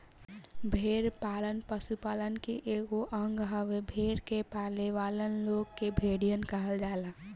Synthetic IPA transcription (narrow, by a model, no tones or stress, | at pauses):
bʱeːɾpaːlənpəsupaːlənkeʔeːɡoʔəŋɡɦəʋebʱeːɾkepaːleʋaːlənloɡkebʱeɽijənkəɦəld͡ʒaːlaː